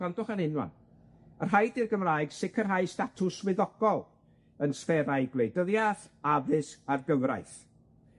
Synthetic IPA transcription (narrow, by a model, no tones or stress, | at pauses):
andʊχaɾɪnwa̰n | ər̥ɦajdirɡəmraːɨɡ̥sɪkʰərɦajstatʰʊswɪðɔɡ̥ɔlˠ | ənsfɛɾajɡlˠejdəðjaθavɨsarɡəwɾa̰jθ